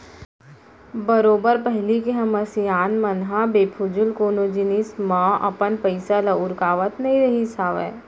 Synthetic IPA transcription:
bɐɾoːbəɾpɛɦlikeɦɐməsijaːnmɐnɦabeːpʰʊd͡ʒʊlkoːnoːd͡ʒɪnismãːʔɐ̰pənpɐɪsalɐʊɾkaːʋət̪nɐɦĩɾɐɦisaːʋɛ̰ː

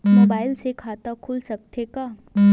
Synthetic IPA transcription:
moːbaːɪlsekʰaːt̪akʰʊlsɐk̚t̪ʰekaː

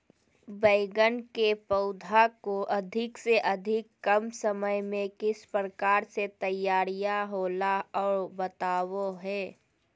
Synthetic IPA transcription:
bəːɡənkepəʊd̪ʱakoʔɐd̪ʱɪkseʔɐd̪ʱɪkːɐmsəməjmẽkɪspɾəkaːɾset̪əjːaːɾijaɦoːlaɔːɾbət̪aːwoɦɛː

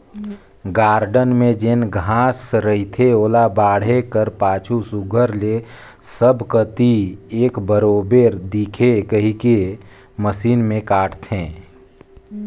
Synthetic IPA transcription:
ɡaːɾɖənmẽd͡ʒenɡʱãːsɾəɦit̪ʰeoːlabaːɽ̤ekəɾpaːt͡ʃʰusʊɡʱəɾle | səbʱkət̪ieːkbəɾoːbeɾd̪ikʰekəɦike | məsiːnmẽkaːʈʰt̪ʰẽː

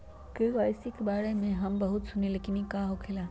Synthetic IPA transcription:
keʋaːjsikebaːɽemẽɦɐmbɐɦʊt̪sʊnilekɪnikaːɦokʰɪlaː

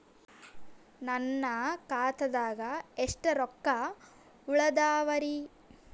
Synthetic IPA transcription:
nɐnːɐkaːt̪ɐd̪aːɡɐeʂʈɐɾɔkːɐ | uɭɐd̪aːʋɐɾi

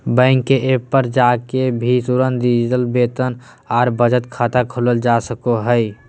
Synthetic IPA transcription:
bə̃ɪŋkːeʔepəɾd͡ʒakebʱit̪uɾənd̪id͡ʒt̪əlbet̪ən | aːɾbəd͡ʒət̪kʰaːt̪akʰoləld͡ʒasəkoɦəj

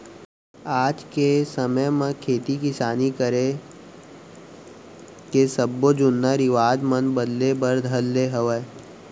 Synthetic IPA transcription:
aːd͡ʒkesəməjmẽkʰeːt̪ikɪsaːnikəɾe | kesəbːod͡ʒʊnːaɾɪʋaːd̪mənbəd̪lebəɾd̪ʱəlːeɦəʋə

